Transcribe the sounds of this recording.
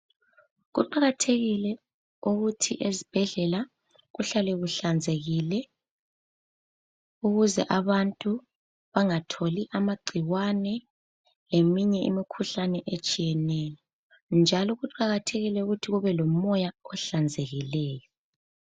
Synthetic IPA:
ɣuǃaɣatʰeɣilɛ | uɣutʰiʔezib̥ʱɛɮɛla | ɣuɬalɛɣuɬand͡zʱeɣilɛ | uɣuzɛ̰ʔaβantʼu | βaŋatʰoliʔamaɡ͡ǀʱiwanɛ | lemiɲɛḭmikʰuɬanɛʔet͡ʃʼijɛnɛːjɔ | nd͡ʒʱalɔɣuǃaɣatʰeɣilɛuɣutʰiɣuβɛlɔmɔjaɔɬand͡zʱeɣilɛːjɔ

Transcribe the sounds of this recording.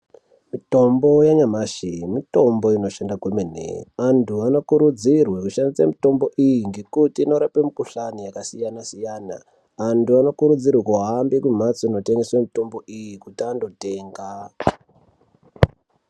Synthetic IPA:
mito̞mbo̞jaɲamaʃimito̞mbo̞ino̞ʃandaɡwemenḛantʰuano̞kuɾud͡zirwekuʃandisamito̞mbo̞ʔijiŋɡe̞kutiːno̞ɾapemikuɬanijakasijanasijaːna̰ | antuano̞kuɾud͡zirwekuɦambikum̤at͡soino̞teŋɡeswemito̞mbo̞ʔijikutiando̞te̞ːŋɡa

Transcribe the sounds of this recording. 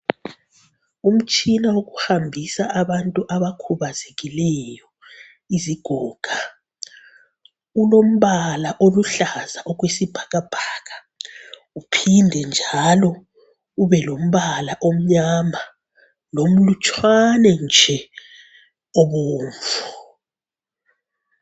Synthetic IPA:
um̩t͡ʃʼinawoɣuhambʱisaʔaβantʼuʔaβakʰuβazeɣilɛjɔ | iziɡ̥ʱɔːɡ̥ʱa | ulom̩βalaʔoluɬazaʔɔɣwesib̥ʱaɣab̥ʱaːɣa | upʰindʱɛnd͡ʒʱalɔ | uβɛlom̩ɓalaʔom̩ɲama | lom̩lut͡ʃʰʼwanɛnd͡ʒʱɛ | oɓoːɱvu

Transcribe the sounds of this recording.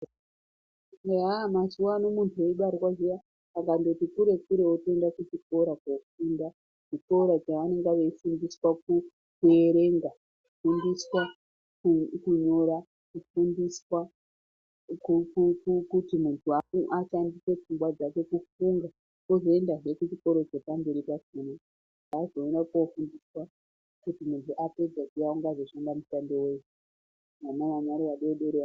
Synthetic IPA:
amasuwano̞muntʰue̞iɓaɾwaʐija | sakando̞tikuɾe̞kuɾe̞ote̞ndakut͡ʃipo̞ɾakofunda | ʐ̥ipo̞ɾat͡ʃaʋane̞ŋɡaʋeifundiswaku | kue̞ɾe̞ŋɡa | kufundiswa | kukuɲo̞ɾa | kufundiswa | kukukukutimuntʰuauʔat͡ʃandise̞p͡fuŋɡwad͡zake̞kufuŋɡa | kozoendaʐe̞kut͡ʃiko̞ɾo̞t͡ʃepambeɾipasine | azo̞enakofundiswa | kutimuntʰuʔape̞d͡zakijauŋɡazoʃandamutandowesu | ʋanaʋaɲaɾiʋaɗeɗeɾea

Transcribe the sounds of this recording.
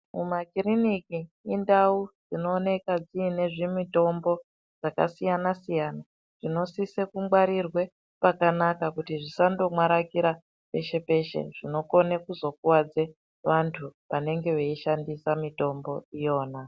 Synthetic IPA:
mumakiriniki | indaud͡zino̞ːne̞kad͡ziːne̞ʐimito̞mbo̞ | d͡zakasijanasijana | ʐ̥ino̞sisekumɡwaɾirwe̞ | pakanakakutiʐisandomwaɾakiɾa | pe̞ʃe̞pe̞ʃe̞̰ʐ̥ino̞ko̞nekuzo̞kuwad͡ze | ʋantʰuʋane̞ŋɡe̞ʋeiʃandisamito̞mbo̞ijo̞ːna

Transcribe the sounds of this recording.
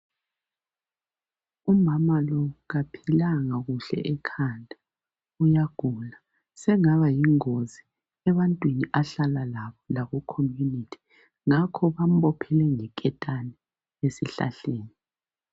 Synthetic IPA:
umamalɔɣapʰilaŋaɣuɬɛ̰ʔɛkʰandʱʼḁ | ujaɡ̥ʱula | sɛŋaβajiŋozi | ɛβantʼwiniʔaɬalalaβɔlaɣɔkʰomjunitʰi̥ | ŋakʰɔβam̩ɓɔpʰɛlɛŋɛkʼɛtʼanɛ | esiɬa̰ɬeːni

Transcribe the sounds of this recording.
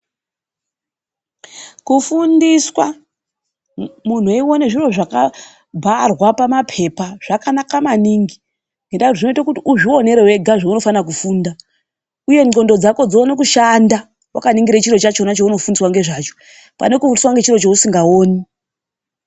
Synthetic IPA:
kufundiswa | mun̤uiwo̞neʐiro̞ʐaka | bʱarwapamapʰe̞paʐ̥akanakamaniːŋɡi | ŋɡendautoʐino̞itakutiʔuʐio̞ne̞ɾewe̞ɡʱaʐauno̞fanak̬ufunda | uje̞ɲo̞ndo̞d͡zako̞d͡zoonekuʃanda | wʔa̰kaniŋɡiɾet͡ʃiɾo̞t͡ʃat͡ʃo̞nat͡ʃouno̞fundiswaŋɡe̞ʐat͡ʃo̞̥ | pa̰nekufundiswaŋɡe̞t͡ʃiro̞t͡ʃousiŋɡaoːni

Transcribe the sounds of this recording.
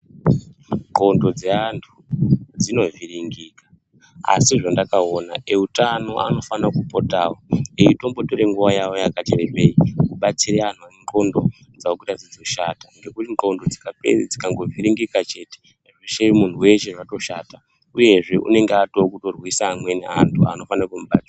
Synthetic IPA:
ŋɡo̞ndo̞d͡zeantʰud͡zino̞viɾiŋɡiːka | a̰siʐandakaonaeutano̞ʔa̰no̞fanakupo̞taːwoeito̞mbo̞to̞ɾe̞ŋɡuʋajawo̞jakat͡ʃerepeikuɓat͡siɾean̤uanǃo̞ndo̞ | d͡zaokuitad͡zid͡zo̞ʃaːtaŋɡe̞kutiŋ͡ǃo̞ndo̞d͡zikapḛrid͡zikaŋɡo̞viɾiŋɡikat͡ʃe̞te | ʐeʃemun̤uwe̞ʃe̞ʐato̞ʃaːta | uje̞ʐe̞ʔṵne̞ŋɡeatokuto̞rwisaːmwe̞nḛantʰua̰no̞fanaakumuɓat͡sia

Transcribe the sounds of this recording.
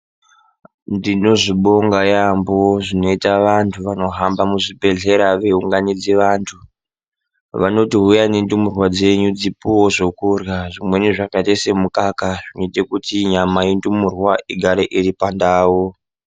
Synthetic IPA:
ndino̞ʐiɓo̞ŋɡajamboʐino̞itaʋantʰuʋano̞ɦambamuʐibʱe̞ɮe̞ɾaʋe̞uŋɡanid͡ziʋantʰu | ʋano̞tiɦujanendumurwad͡ze̞ɲud͡zipuwoʐo̞kurjaʐimwe̞niʐakatesemukakaʐinoitekutiɲamajendumurwaʔiɡʱaɾeʔiɾipandaːwo

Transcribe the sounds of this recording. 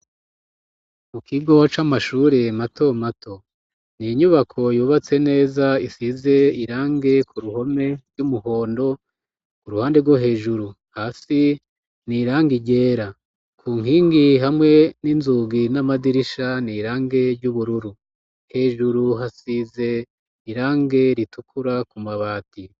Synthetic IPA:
mukʰiɡo̞t͡ʃamaʃuːɾe̞mato̞matʰo̞ | niɲuβakʰo̞juːβat͡se̞ne̞ːzaisize̞iɾaːŋɡe̞kʰuɾuho̞me̞ɾɟumuho̞ːndo̞ | kuɾuhaːndeɡwoɦe̞ːʒuɾu | haːsi | niɾaːŋɡiɟe̞ːɾa | kʰuːŋhiːŋɡiɦamŋe̞ninzuːɡinamadiɾiʃaniɾaːŋɡe̞ɾɟuβuɾuɾu | he̞ːʒuɾuɦasize̞ | iɾaːŋɡe̞ɾitukʰuɾakumaβaːti

